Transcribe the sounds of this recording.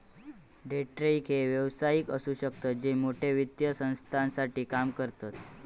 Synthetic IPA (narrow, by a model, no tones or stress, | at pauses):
ɖeʈɾeikɦeʋjəʋsajikəsuɕək̚t̪at̪̚d͡ʑemoʈʰeʋid̪jəsə̃ñst̪ʰansaʈiːkamkəɾt̪at̪